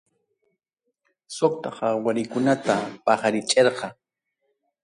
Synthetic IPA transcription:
sokt̪ɑqɑwaɾɪkʊnat̪apɑχaɾɪt͡ʃʼeɾqɑ

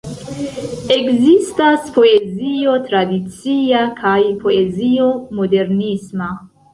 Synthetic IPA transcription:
eɡzist̪aspoeziot̪ɾad̪it͡siakʰajpʰoeziomod̪eɾnisma

